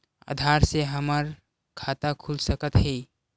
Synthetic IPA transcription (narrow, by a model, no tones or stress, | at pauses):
ə̰d̪ʱaɾseɦəməɾ | kʰat̪akʰulsəkət̪ɦɛ